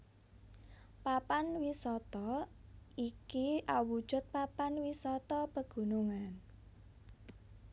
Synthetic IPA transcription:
papanwisɔt̪ɔ | ikiʔawu̥ʒ̥ʊ̤t̪̚papanwisɔt̪ɔpəɡ̥ṳnuŋan

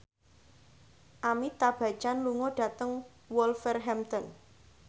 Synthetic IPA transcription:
ʔamit̪ab̥ä̤̥t͡ʃanluŋɔɖ̥a̤t̪əŋ | wɔlfɛrɦɛmt̪ɔn

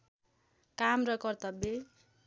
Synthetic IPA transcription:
kamrʌkʌrt̪ʌbe

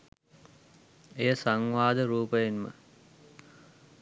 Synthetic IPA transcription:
ejəsaŋʋaːd̪əɾuːpəjenmə̰

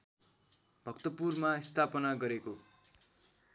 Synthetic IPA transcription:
bʱʌkt̪ʌpurmaist̪ʰapʌnaɡʌɾeko

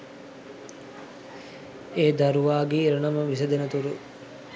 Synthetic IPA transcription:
eːd̪aɾuʋaːɡeɾənɐməʋisəd̪enət̪uɾu

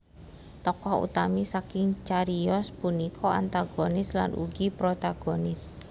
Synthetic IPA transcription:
t̪ɔkɔhṵt̪amisakɪŋt͡ʃaɾiɔspunikʰɔa̰nt̪aɡ̥onɪsla̰nʔṵɡipɾot̪aɡ̥onɪs

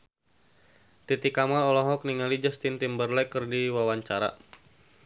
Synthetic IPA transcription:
t̪it̪ikamalɔlɔɦɔk̚niŋalid͡ʒast̪int̪imbərlɛkɨrdiwawaɲt͡ʃaɾa̰

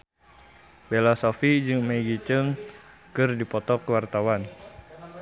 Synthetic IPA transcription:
belasofid͡ʒɨŋmaiɡit͡ʃəŋ | kɨrdipɔt̪ɔkəwart̪awan

